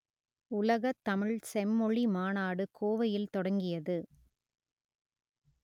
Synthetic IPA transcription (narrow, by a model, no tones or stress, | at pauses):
ʊlɐɣɐt̪ːɐmɪɭsɛmːɔɭimaːnaːɽɯkʰoːʋɐjɪlt̪ɔɽɐŋɡɪjɐðɯ